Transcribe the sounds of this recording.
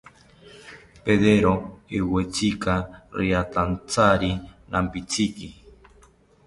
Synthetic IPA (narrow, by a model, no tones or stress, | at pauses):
peðeɾoiwet͡sikaɾiat̪ant͡saɾinʔampit͡siki